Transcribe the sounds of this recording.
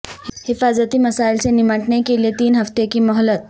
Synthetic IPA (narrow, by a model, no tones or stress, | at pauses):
hhifazət̪iːməsailt͡senimaʈɳekelet̪iːnɦəft̪ekiːmɔɦɔlət̪̚